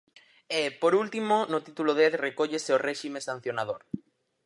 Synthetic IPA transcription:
epoɾult̪imonʊt̪it̪uloðeðrekoʎeseoreʃimesan̟θjonað̞oɾ

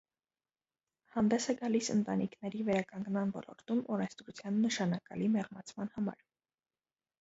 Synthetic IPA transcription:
hɑnd̪ɛsɛɡɑlisənt̪ɑnikʰnɛɾivɛɾɑkɑŋɡnmɑnvɔ̰lɔ̰ɾt̪umɔɾɛnst̪ɾut͡sʰjɑnːəʃɑnɑkɑlimɛʁmɑt͡sʰmɑnhɑmɑ̰ɾ

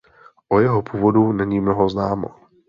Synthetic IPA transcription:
ʔojɛɦopʰuːvodunɛɲiːmnoɦoznaːmo̰

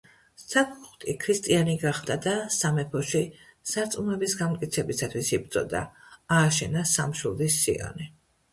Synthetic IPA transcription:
sapʰχt̪ʼikʰɾist̪ʼianiɡaχd̪ad̪asamɛpʰɔʃisaɾt̪sʼumɛbisɡamt̪ʼkʼit̪sʰɛbisat̪ʰwisib̚d̪zʼɔ̰d̪a̰aːʃɛnasamʃulˠd̪isːḭɔ̰ni

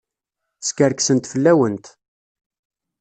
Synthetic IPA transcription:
skəɾksənt̪fəlːæwənt̪

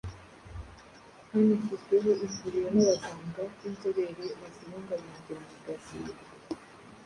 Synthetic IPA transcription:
hanifutuβuʔiɱvuɾijonaβazaːŋɡaβinzoβeɾeβaziɾuːŋɡaɲademokɾasḭe

